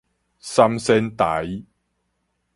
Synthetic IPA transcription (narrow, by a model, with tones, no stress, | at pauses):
sɐ˧msɛ˧nt̪a˨˦j